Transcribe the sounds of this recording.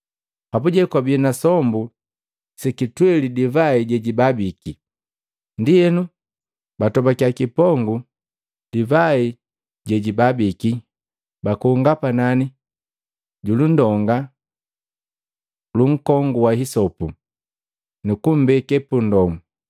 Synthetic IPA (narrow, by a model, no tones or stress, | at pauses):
pabuɟɛkwabiɛnasɔmbu | sɛkitwɛlidivaiɟɛɟibabiki | ndijɛnu | batɔbakjakipɔŋɡu | d̥ivai | ɟɛɟibabiki | bakuːŋɡapanani | ɟulundɔŋɡa | luŋ̩kɔŋɡuwahisɔpu | nukum̩bɛkɛpundɔmu